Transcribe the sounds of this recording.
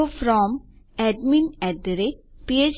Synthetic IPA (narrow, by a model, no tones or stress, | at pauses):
ofɾɔ̃ːm | ɛɖmĩnɛɖəɾepied͡ʒ